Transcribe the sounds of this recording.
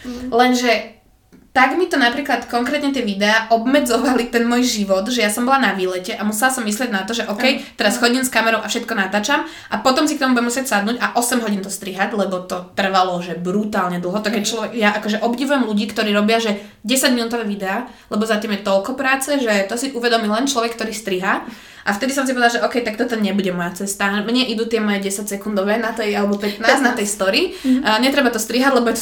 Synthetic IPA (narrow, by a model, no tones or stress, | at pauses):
lɛnʒɛ | t̪aɡmit̪ɔnapɾiːklat̪kɔŋkɾɛːt̪ɲɛt̪̬ɪɛʋid̪ɛaːʔɔbmɛd͡zɔʋalit̪ɛnmɔːjʒiʋɔt̪ʒɛjasɔmbɔlanaʋiːlɛcɛʔamusɛlasɔmːislɪɛɟnat̪ɔʒɛʔɔkɛjt̪ɛɾasxɔɟimskamɛɾɔʊʔafʃɛt̪kɔnat̪aːt͡ʃam | ʔapɔt̪ɔmsikt̪ɔmubuɟɛmusɪɛcʲsad̪nuːɟaʔɔsɛmɦɔɟint̪ɔst̪ɾiɦaɟlɛbɔt̪ɔt̪r̩ʋalɔʒɛbɾut̪aːlɲɛd̪l̩ˠɦɔt̪ɔkɛct͡ʃlɔʋɛjaʔakɔʒɛʔɔbɟiʋujɛmluɟiːkt̪ɔɾiːɾɔbɪaʒɛ | ɟɛsaɟminut̪ɔʋɛːʋid̪ɛaː | lɛbɔzat̪iːmjɛt̪ɔlkɔpɾaːt͡sɛʒɛt̪ɔsiʔuʋɛd̪ɔmilɛnt͡ʃlɔʋɛkːt̪ɔɾiːst̪ɾiɦa | ʔaft̪ɛd̪is̬ɔms̬ipɔʋɛd̪aʒɛʔɔkɛjt̪akt̪ɔt̪ɔɲɛbuɟɛmɔjat͡sɛst̪amɲɛʔid̪uːt̪ɪɛmɔjɛɟɛsacsɛkund̪ɔʋɛnat̪ɛjalɛbɔpɛt̪naːznat̪ɛjst̪ɔɾiɲɛt̪ɾɛbat̪ɔst̪ɾiɦaɟlɛbɔ